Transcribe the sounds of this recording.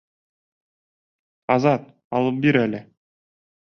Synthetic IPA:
ɑzɑt̪̚ | ɑlˠɤp̚biɾælɘ

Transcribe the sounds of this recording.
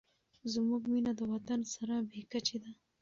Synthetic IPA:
zmuɡminad̪əwat̪ansaɾabekat͡ʃed̪a

